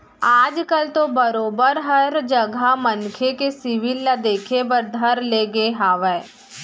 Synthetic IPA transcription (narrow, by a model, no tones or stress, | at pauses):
aːd͡ʒkɐlt̪obɐɾoːbəɾɦɐɾd͡ʒɐɡʱamɐnkʰekesɪʋɪlːad̪eːkʰebɐɾd̪ʱɐɾleːɡeɦaːʋɛː